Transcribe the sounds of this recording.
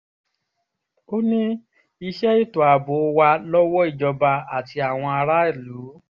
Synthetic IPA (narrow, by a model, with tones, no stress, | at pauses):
o˦nĩ˦ | i˧ʃɛ˦i˦˨tɔ˨a˨bo˨˦˧wa˧lɔ˦wɔ˦i˦˨d͡ʒɔ˧ba˧a˨ti˧a˨w̃ɔ̃˧a˧ɾa˦i˦˨lu˨˦